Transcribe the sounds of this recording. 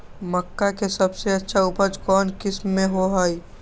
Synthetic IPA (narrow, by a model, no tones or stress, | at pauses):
məkːakesɐbseɐtːʃʰaupəɾd͡ʒkɔːnkɪsmːẽɦoɦaːi